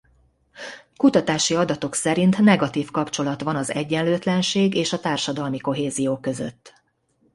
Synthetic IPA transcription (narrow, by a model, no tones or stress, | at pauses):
kut̪ɒt̪aːʃiɒd̪ɒt̪o̞ksɛɾint̪nɛɡɒt̪iːfkɒpt͡ʃo̞lɒt̪ʋɒnɒzɛɟːɛnløːt̪lɛnʃeːɡeːʃɒt̪aːrʃɒd̪ɒlmiko̞ɦeːzijoːkø̞zø̰t̪ː